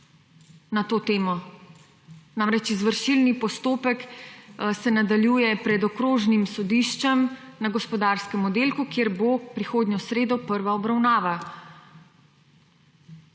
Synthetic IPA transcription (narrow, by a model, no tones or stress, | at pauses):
nat̪oːt̪eːmɔ | namɾɛt͡ʃizʋəɾʃilnipɔst̪oːpɛk | sɛnad̪aljuːjɛpɾɛd̪ɔkɾoːʒnimsɔd̪iːʃt͡ʃɛmnaɡɔspɔd̪aːɾskɛmɔd̪eːlkukjeːɾbopɾixoːd̪nɲjɔsɾeːd̪ɔpəɾʋaɔbɾawnaːʋa